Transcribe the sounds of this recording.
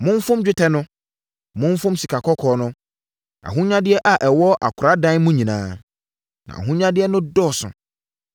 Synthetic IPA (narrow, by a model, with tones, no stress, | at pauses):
mʊ̃˦m˦fʊ̃˦md͡ʑᶣɪ˦tʰɛ˦nʊ̃˦ | mʊ̃˦ɱ˦fʊ̃˦msi˨kʰa˨kʰɔ˦kʰɔː˨˦nʊ̃˦ | a̰˨ɦũ˦ɲã˦dɪ˦ɛ˦ʔa˨ʔɛ˨wɔ˦ʔa̰˨kʰʊ˨ɾa˦dã˦nmũ˦ɲĩ˨nã̰ː˦ | nã̰˨a̰˨ɦũ˦ɲã˦dɪ˦ɛ˦nʊ̃˦dɔː˦˨sʊ̰̃˨